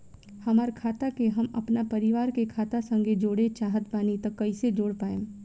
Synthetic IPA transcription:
hɐmaːɾkʰaːt̪akeɦɐmɐ̰pnapɐɾɪʋaːɾkekʰaːt̪asə̃ŋɡed͡ʒoːɽet͡ʃaːɦət̪̚paːnit̪ɐkːɐised͡ʒoːɽpaːẽː

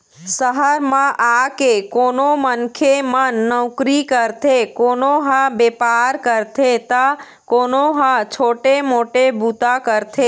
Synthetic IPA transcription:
səɦəɾmãʔakekonomənkʰemənːəʊkɾikəɾt̪ʰekonoɦãbepaɾkəɾt̪ʰet̪a | konoɦãt͡ʃʰoːʈemoʈebut̪akəɾt̪ʰe

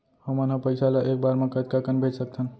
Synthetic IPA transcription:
həmənɦə̃pəɪsalaeːk̚baːɾmẽkət̪kakənbʱed͡ʒsək̚t̪ʰən

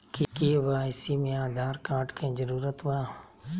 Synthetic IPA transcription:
kikiʋaːɪsiːmɪjãːd̪aːɾkaːʈkʰẽːd͡ʒəɾuːɾət̪ʋaː

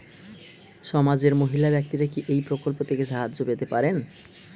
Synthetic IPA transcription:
ʃɔmad͡ʑeɾmoɦilabɛk̚t̪iɾakiʔejpɾokolpot̪ʰekeʃaɦaːopet̪epaɾen

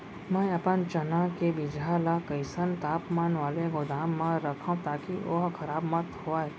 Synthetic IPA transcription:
mɛ̃ɐpənt͡ʃɐnãkebɪd͡ʒalakəɪsənt̪aːpmaːnʋaːleɡʊd̪aːmːãɾɐkʰaũt̪aːkioɦkʰɐɾaːbmɐt̪hoːaːɛ

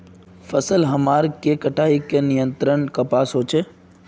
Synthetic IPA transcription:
fəsəlɦɐmaːɾkekəʈʰaːikenɪjə̃nt̪ɾənkapaːsɦoːt͡ʃʰeː

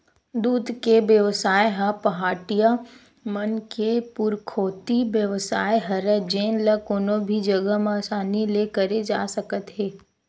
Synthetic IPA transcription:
d̪uːd̪keʋjəʋsaːjɦɐpɐɦaːʈija | mənkepʊɾkʰoːt̪ibjəʋsa̰ːjɦɐɾəd͡ʒeːnləkoːnobʱid͡ʒɐɡəɦmẽaːsaːnilekəɾed͡ʒa̰ːsəkət̪ɦeː

